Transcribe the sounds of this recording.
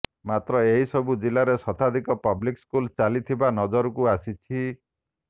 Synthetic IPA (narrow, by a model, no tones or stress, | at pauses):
mat̪ɾɔeɦisɔbud͡ʒilaɾesɔt̪ʰad̪ʱikɔpɔblikskult͡ʃalit̪ʰibanɔd͡ʒɔɾɔkuasit͡ʃʰi